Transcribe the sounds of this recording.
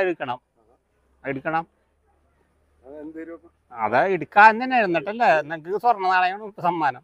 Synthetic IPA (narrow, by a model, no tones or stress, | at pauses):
eɽukːɐɳɐm | eɽukʲːɐɳɐm | ɐ̰ðɨeɽukːaːend̪ineajiɾunːiʈːɐlːenːɐŋkɨsɐrɐnːɐnaːɭɐjoɳɐmipːɐsɐmːaːnɐm